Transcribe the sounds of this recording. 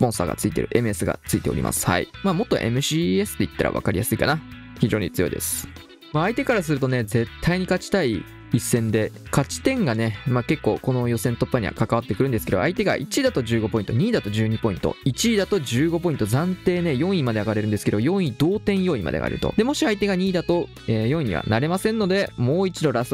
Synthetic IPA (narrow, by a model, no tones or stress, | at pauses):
spõ̞ɰ̃sa̰ːɡa̰t͡sɨit̪e̞̰ɾɯ̟ʔe̞mɯ̟e̞sɨɡa̰t͡sɨit̪eoɾʲḭmʔa̰sɨ̥ha̰ḭmaːmo̞t̪ːo̞̰ʔe̞̰mɯ̟ɕiesɨ̥t̪ːe̞it̪ːaɾʔa̰βa̰kaɾʲijʔasɨikana | çiʑo̞ːɲ̟it͡sɨjo̞̰id̪e̞̰sɨ̥ | maːit̪e̞kaɾasɨɾɯ̟t̪o̞ne̞d͡ze̞t̪ʰːaiɲ̟ikat͡ɕi̥t̪ai | isːẽ̞nd̪e̞ | kat͡ɕi̥t̪ẽ̞ŋɡane̞make̞kːo̞̰ːko̞no̞jo̞sẽ̞nt̪o̞pːaɲ̟ḭβa̰kakaβat̪ːekɯ̟ɾɯ̟nd̪esɨ̥ked̪o̰ait̪e̞ɡa̰ʔḭt͡ɕiːd̪at̪o̞ʑɨːɡo̞po̞ĩnt̪o̞ɲ̟iːd̪at̪o̞ʑɨːɲ̟ipo̞ĩnt̪o̰it͡ɕiːd̪at̪o̞ʑɨːɡo̞p̬o̞ĩnt̪o̞zãnt̪e̞ːne̞jõ̞ɰ̃imad̪e̞aɡaɾe̞ɾɯ̟nd̪sɨ̥ked̪ojõ̞ɰ̃id̪o̞ːt̪ẽ̞ɰ̃jo̞imʔa̰d̪ḛa̰ɾeɾɯ̟̰t̪o̞̰d̪e̞mo̞ɕiait̪e̞ɡaɲ̟iːd̪at̪o̞ | ejõ̞ɰ̃iɲ̟ḭβa̰naɾe̞masẽ̞nːo̞d̪e̞mo̞ːit͡ɕid̪o̞ɾas